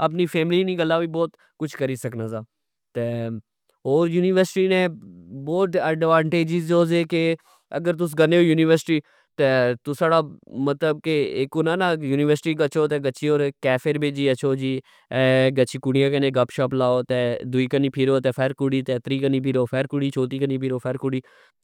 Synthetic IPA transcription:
əp̬niːpʰɛːmliːnĩːɡəlaːʋiːbɔːt̪ | kʊt͡ʃʰkəɾiːsəknaːzaː | t̪eː | ɦoːɾjuːnɪʋəɾsɪʈiːnẽbɔːt̪ɛːɖʋãːɳʈeːd͡ʒɪzoːzeːke | əɡəɾt̪̬ʊs̬ɡəneːoːjuːnɪʋəɾsɪ̥ʈiː | t̪eːt̪ʊsaːɽaːmət̪ləb̚keɪkoːnaːnaːjuːnɪʋəɾsɪʈiːɡət͡ʃoːt̪eːɡət͡ʃʰiːoːɾkɛːfʰeɾbed͡ʒiːət͡ʃʰoːd͡ʒiː | ɛːɡət͡ʃiːkʊɽijãːkənẽːɡəpʃaːplaːoːt̪ɛːd̪ʊiːkəniːpʰiɾoːt̪ɛːpʰɛːɾkʊɽiːt̪ɛːt̪ɾiːkəniːpʰiɾoːpʰɛːɾkʊɽiːt͡ʃʰoːt̪iːkəniːpʰiɾoːpʰɛːɾkʊɽiː

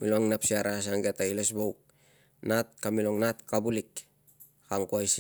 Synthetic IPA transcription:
miloŋnapsiaɾas̬aŋɡetailesbowk̚ | nat̚kamiloŋnat̚kabulik | kaŋkuajs

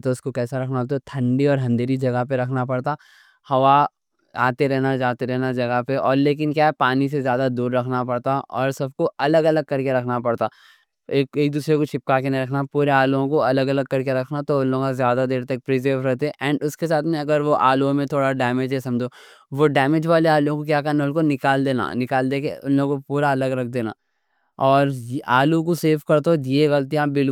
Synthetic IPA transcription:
t̪oʊskokɛːsaɾɐkʰnat̪ot̪ʰɐ̃ɳɖiɔːɾɦɐ̃nd̪eɾid͡ʒɐɡapeɾɐkʰnapɐɽt̪a | hɐʋa | a̰ːt̪eɾɛɦnad͡ʒaːt̪eɾɛɦnad͡ʒɐɡapeɔːɾleːk̬ɪnkjaːɦɛpaːnis̬ezjaːd̪ad̪uːɾːɐkʰnapɐɽt̪aɔːɾsɐb̚koɐləɡɐləɡ̚kɐɾkeɾɐkʰnapɐɽt̪aː | eːkeːk̚d̪uːsɾekot͡ʃʰɪp̚kaːkenɐ̃ɾɐkʰnapuːɾeaːlõkoɐləɡɐləɡ̚kɐɾkeɾɐkʰnat̪oʊnlõɡkazjaːd̪ad̪eːɾt̪ɐk̚pɾɪzəɾʋɾɛɦt̪eɛʔɛ̃ːɳɖʊskes̬aːt̪ʰmẽɐɡəɾʋoʔaːlõmẽt̪ʰoːɽaɖɛːmed͡ʒɦɛsɐ̃md͡ʒoː | ʋoɖɛːmɪd͡ʒʋaːleaːlõkokjaːkɐɾneʊlkonɪkaːld̪eːna̰ːnɪkaːld̪eːkeʊnlokpuːɾaɐləɡɾɐk̚ʰd̪eːna̰ː | ɔːɾʔaːlũkoseːfkɐɾt̪ojeɣɐlt̪̬ijãbɪl

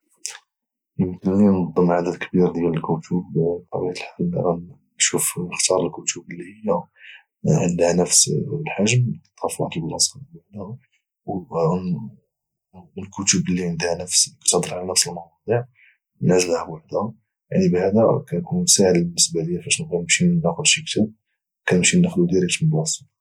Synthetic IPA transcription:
jəmət̪ːənninɑd̪ˤːəmʕad̪əd̪kəbiɾd̪jæləlkut̪ʰubt̪ɑbijət̪əlħalːʔæ | ʃufnəxt̪ɑɾˤəlkut̪ubəlːihəjːæ | ʕənd̪ænəfslħaʒmt̪ˤːɑfat̪əlbnɑsˤɑd̪baʕd̪æhu | w | əlkut̪ubəlːind̪anəfskæ̥t̪əd̪əɾˤʕalænəfsəlmɑwɑd̪ˤiʕ | næzəlhæwaħd̪æha | ja̰ʕnibʕad̪ækænkunmsaʕəd̪bənːəsbaləjːafæʃnkænəmʃinæxʊd̪ʃik̚t̪ʰib̚ | kænəmʃinːəxlud̪iɾikt̪blɑsˤət̪

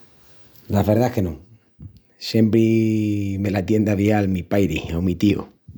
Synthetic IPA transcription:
laβeɾðaehke̞nõ | sjempɾi | me̞lat̪je̞nd̪aβialmipajɾiomit̪io̰

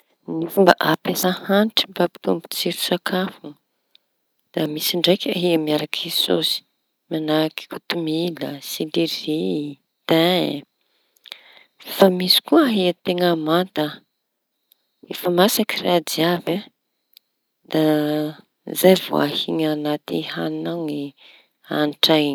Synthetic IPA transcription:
nifumbaʔapesəhanʈ͡ʂi̥bapi̥t̪umbu̥t͡siɾu̥sakʰafu | d̪̥amisiɳɖ͡ʐajkʲaɦiamiaɾakiso̰si̥ | manaki̥kut̪umilə̰siliɾi | t̪a | famisi̥kuaɦiat̪eŋəmant̪ə | efamasakiradiava | d̪̥a | zajvo̰a̰hiɲanat̪iha̰ninaŋi | anʈ͡ʂajn

